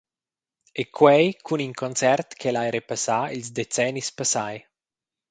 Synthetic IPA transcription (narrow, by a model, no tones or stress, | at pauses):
ekʰwɛjkʰuniŋkʰɔnt͡sɛrt̪kʰelajɾepasailzd̪et͡sɛnispasaj